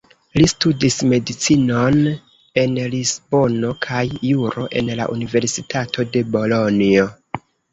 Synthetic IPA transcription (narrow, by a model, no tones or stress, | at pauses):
listudisme̞dit͡sino̞n | e̞nlisbo̞no̞kʰajːuɾo̞ʔe̞̰nla̰ʔunive̞ɾsitʰatʰo̞de̞bo̞lo̞nio